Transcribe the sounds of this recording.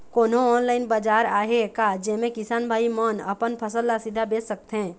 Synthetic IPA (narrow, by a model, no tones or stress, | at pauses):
koːnõɔːnlaːɪnbad͡ʒaːɾaːɦekad͡ʒɛːmẽkɪsaːnbʱaːimənə̰pənpʰəsəlːasɪd̪ʱːabeːsək̚t̪ɦɛ̃ː